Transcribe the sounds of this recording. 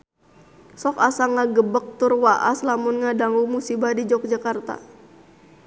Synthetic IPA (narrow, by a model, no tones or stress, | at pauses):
sɔkasaŋaɡəbək̚t̪ʊrwaʔa̰slamʊnŋadaŋumusibahdid͡ʒɔk̚d͡ʒakart̪a̰